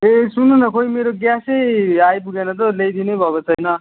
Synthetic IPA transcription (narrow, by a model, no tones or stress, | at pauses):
esununʌkojmeɾoɡjasejajpuɡenʌt̪̬olejd̪inejbʱʌkot͡sʰʌjnʌ